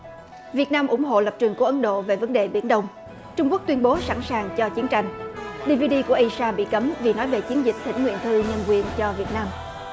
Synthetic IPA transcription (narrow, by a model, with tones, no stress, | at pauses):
vi˨˩ət̚naː˧mʔʊ˧˩ŋ͡mɦo̰˧˨lə˨˩p̚t͡ɕwɨ˨˩ŋkəʔə˨˦nɗo̰˧˨ve˨˩və˨˦nɗe˨˩ɓi˧˩ənɗə˧wŋ͡m | t͡ɕʊ˧ŋ͡mku˦˥k̚t̪wi˧ənɓo˨˦sa̰˧˩nsaː˨˩ŋt͡ɕɔ˧t͡ɕi˨˦ənt͡ɕa˧jŋ̟ɗi˧vi˧ɗi˧ku˧˩əʔi˧saː˧ɓḭ˧˨kə˨˦mvi˨˩nɔ˨˦jve˨˩t͡ɕi˨˦ənzï˨˩k̟̚t̪ʰḭ˧˥ŋ̟ŋwḭ˧˨ənt̪ʰɨ˧ɲə˧nkwi˨ənt͡ɕɔ˧vi˨˩ət̚naː˧m